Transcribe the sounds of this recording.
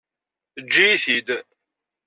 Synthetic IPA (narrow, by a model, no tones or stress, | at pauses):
θəd͡ʒːijθid̪